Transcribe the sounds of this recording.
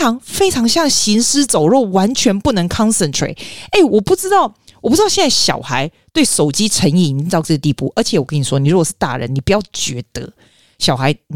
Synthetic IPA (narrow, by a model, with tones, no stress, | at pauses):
ɑ˧˥ŋfe˥ɪʈ͡ʂʰɑ˧˥ŋɕjɑ˥˩ŋɕi˧˥nsɹ̩˥t͡so˨˩ʊɻo˥˩ʊwa˧˦˥nt͡ɕʰɥɛ˧˥npu˥˩nə˧˥ŋkʰɑ˥nsə˨ntʰɹḛ˨˩ɪe˥˩ɪwɔ˨˩pu˥˩ʈ͡ʂɻ̩˥t̪ɑ˥˩ʊwɔ˨˩pu˥˧˥jɛ˥˧nt͡sa˥˩ɪɕjɑ̰˨˩ʊxa˧˥ɪt̪we˥˩ɪʂo˨˩ʊt͡ɕi˥ʈ͡ʂʰə˧˥ŋi˥˩˨t̪ɑ˥˧ʊʈ͡ʂɤ˥˩ɡə˩t̪i˥˧˨pṵ˥˩ʔə˞˧˥t͡ɕʰjɛ˨˦wɔ˨˩kə˦˥ni˨˩swɔ˥ni˨˩ɻu˦˥kwɔ˨˩ʂɻ̩˥˧t̪a̰˥˨˩ɻə̰˧˦ni˨˩pu˨˩jɑ˥˩ʊt͡ɕɥɛ˧˥t̪ə˧˦ | ɕjɑ˨˩ʊxa˧˦ɪ